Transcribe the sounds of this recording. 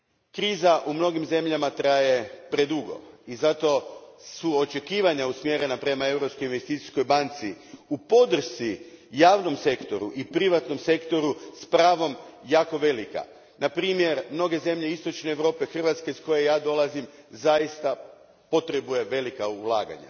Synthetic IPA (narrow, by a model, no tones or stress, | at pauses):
kɾiːzaʔumno̞ɡimze̞mʎamat̪ɾaje̞pɾe̞d̪uɡo̞̰izat̪o̞suot͡ʃe̞kiːʋaɲausmje̞ɾe̞napɾe̞mae̞vɾo̞pskojinʋe̞st̪iːt̪i̥sko̞jbant̪siupo̞d̪r̩ʃt̪ijaːʋno̞mse̞kt̪o̞ɾuʔipɾiʋat̪no̞mse̞kt̪o̞ɾuspɾaːʋo̞mjaːko̞ʋe̞lika̰ | napɾiːmje̞ɾmno̞ɡe̞ze̞mʎe̞ist̪o̞t͡ʃne̞ːʋɾo̞ːpe̞xr̩ʋat̪skeisko̞je̞jaːd̪o̞lˠazimzajist̪a | po̞t̪ɾe̞buje̞ʋe̞likaulˠa̰ːɡa̰ɲa̰